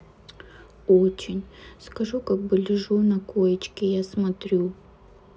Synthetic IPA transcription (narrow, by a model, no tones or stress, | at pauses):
ot͡ɕɪnʲskɐʐukaɡ̚bɨlʲɪʐunɐkojɪt͡ɕkʲɪjasmɐt̪ɾʲu